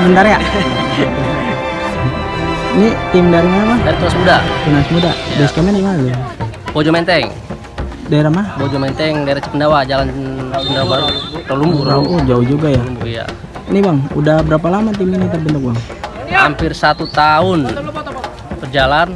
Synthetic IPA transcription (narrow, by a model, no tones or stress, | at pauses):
bəndaɾjaʔ | nit̪imdaɾimanamahdaɾit̪uɾasmudapinasmudabɛskamanimalu | b̥od͡ʒɔmɛnt̪ɛŋ | daeɾamahbod͡ʒɔmɛnt̪ɛŋdaiɾat͡ʃə̥kəndawad͡ʒalant͡ʃkəndawabat̪ɔlumbuaoʔod͡ʒauhd͡ʒuɡajabuja̰ | nibaŋṵdahbəɾap̬alamat̪̬iminit̪ərbənt̪uk̚baŋ | hampirsat̪ut̪aʊn | bərd͡ʒalan